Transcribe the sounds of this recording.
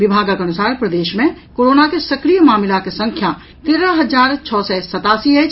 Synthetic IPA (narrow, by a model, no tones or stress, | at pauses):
ʋɪbʱaːɡakɐnʊsaːɾpɾəd̪eːʃmẽkoːɾoːnakesɐkɾijəmaːmɪlakesɐ̃ŋkʰja | t̪eːɾəɦɐzaːɾt͡ʃʰɔːsɛsɐt̪aːsied͡ʒ